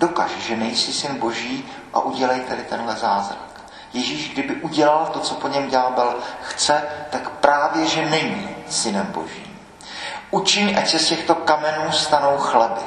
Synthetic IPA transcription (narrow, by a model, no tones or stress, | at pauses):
do̞kaʒɛʒɛnɛjsɪsɪnbo̞ʒiː | ʔa̰ʔuɟɛlɛjt̪adɪt̪ɛnɦlɛzaːzɾa̰k | jɛʒiːʒɡdɪbɪʔuɟɛlalt̪o̞t͡so̞po̞ɲɛmɟaːbɛlxt͡sɛt̪akpɾaːvjɛʒɛnɛɲiːsɪnɛmbo̞̰ʒḭːm | ʔut͡ʃɪɲʔacsɛscɛxt̪o̞kamɛnuːst̪ano̞wxlɛbɪ